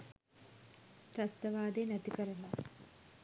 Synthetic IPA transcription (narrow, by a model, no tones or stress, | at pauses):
ɾɐst̪ɐʋaːd̪enæt̪ikəɾɐna